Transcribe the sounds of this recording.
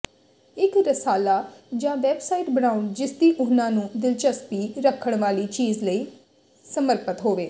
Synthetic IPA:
ɪkɾəsaːlaːd͡ʒãːʋɛːbsaːiːʈbəɽ̃aːʊnd͡ʒɪsd̪iːʔʊnãːnũːd̪ɪlt͡ʃəspiːɾəkʰːəɳ̃ʋaːliːt͡ʃiːzləiː | səməɾpət̪ɦoːʋeː

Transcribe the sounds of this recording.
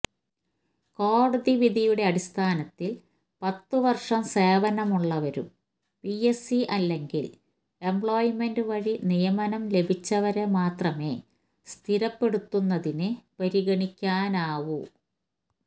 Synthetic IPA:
ko̞ːɽɐðiʋid̪ijuɽe̞ɐɽist̪ʰaːnɐt̪ːil | pɐt̪ːɨʋɐrʂɐmseːʋɐnɐmuɭːɐʋɐɾṵm | piesiʔɐlːe̞ŋɡḭl | e̞mbɭoːjme̞ndɨʋɐɻinijɐmɐnɐmle̞bʱit͡ɕːɐʋɐɾemaːt̪rɐme̞ː | st̪ʰiɾɐpːe̞ɽut̪ːunːɐðinɨpɐɾiɣɐɳikʲːaːnaːʋu

